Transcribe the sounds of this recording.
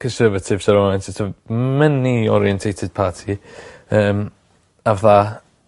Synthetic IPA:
kʰə̃nsɜːvətʰɪvsəɾɔɛ̃ntɪtʰəmɛniɔ̰ɾiɛ̃ntʰejtʰɪd̥̚pʰaːtʰiəːm | avða

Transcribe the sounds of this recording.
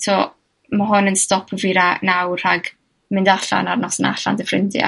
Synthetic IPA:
tʰɔ | maɦʊnənstɔpʰəviɾanawr̥aɡ | mɪndaɬa̰narnɔsəna̰ɬa̰ndəfrɪ̰ndɪ̰a̰

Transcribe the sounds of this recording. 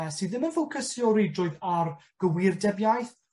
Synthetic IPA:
ɛsiðɪmənfowkʰəsjɔɾidroːɨðarɡ̥əwɪrdɛbjajθ

